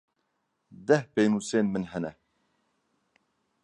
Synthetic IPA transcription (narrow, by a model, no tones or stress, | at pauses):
d̪ɛhpejnuːseːnmɨnɦɛnɛ